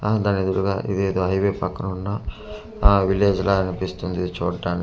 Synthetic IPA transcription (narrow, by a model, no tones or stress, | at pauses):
d̪aːnːid̪uɽuɡaːʔḭd̪eːd̪oːɦɐjʋeːpɐkːɐnunːɐ | ʋileːd͡ʒloːɐnipist̪und̪iit͡ʃuːɖaːni